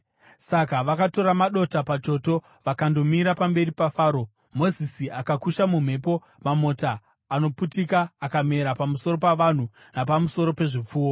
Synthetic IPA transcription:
sakaʋakato̞ɾamaɗo̞tapat͡ʃo̞to̞ | ʋakando̞miɾapambe̞ripafaːɾo̞ | mo̞zisiakakuʃamum̤e̞po̞ | mamo̞taː | no̞putikaːkame̞ɾapamuso̞ɾo̞paʋan̤u | napamusoɾo̞pe̞ʐip͡fuːwo

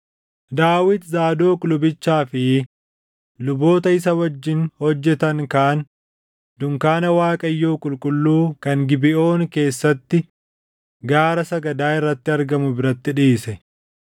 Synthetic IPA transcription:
d̪aːwɪt̪zaːd̪o̞ːkʼʊlʊbɪt͡ʃːaːfɪ | lʊbo̞ːt̪ɐɪs̬ɐwɐd͡ʒːɪnhɔd͡ʒːɛt̪ɐŋkaʔn | d̪ʊŋkaːnɐwaːkʼɐjːo̞ːkʼʊlkʼʊlːuːkɐŋɡɪbɪʔo̞ːnke̞ːsːɐt̪ːɪ | ɡaːɾɐsɐɡɐd̪aːɪrːɐt̪ːɪɐɾɡɐmʊbɪɾɐt̪ːɪᶑiːsɛ

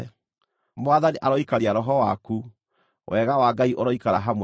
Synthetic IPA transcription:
moaðaniʔaɾɔikaɾiaɾɔɦɔwaku | wʔɛɣawaɡaiʔoɾɔikaɾaɦamw

